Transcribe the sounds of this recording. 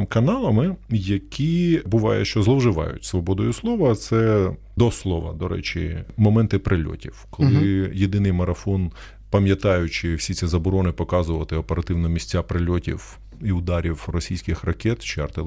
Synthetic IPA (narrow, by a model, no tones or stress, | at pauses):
kɐnɑlˠɐmɪjɐkʲibʊʋɑjɛ̰ʃt͡ʃɔzlˠɔwʒɪʋɑ̰jʊ̰tʲsʋɔbɔd̪ɔjʊslˠɔʋɐt̪sɛ | d̪ɔslˠɔʋɐ̰d̪ɔɾɛ̰t͡ʃɪ̰mɔmɛnt̪ɪpɾʔɪlʲɔ̰tʲiwkɔlˠɪjed̪ɪnɪjmɐɾɐfɔn | pɐmʲjɐt̪ɑjʊt͡ʃɪwsʲit͡sʲizɐbɔɾɔnɪpɔkɑzʊʋɐt̪ɪɔpeɾɐt̪ɪwnɔmʲisʲt͡sʲːapɾɪlʲɔtʲḭw | iʊd̪ɑɾʲiwrɔsʲijsʲkɪxrɐkʲɛt̪t͡ʃɛ̰rt̪ɪlˠ